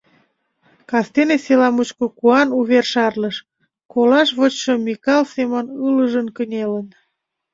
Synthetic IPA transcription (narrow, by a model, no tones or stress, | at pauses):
kɑst̪eneselɑmut͡ɕkokuɑnuβerʃɑrləʃ | kolɑʃβət͡ɕʃəmikɑlsemənɨləʒənkənʲelən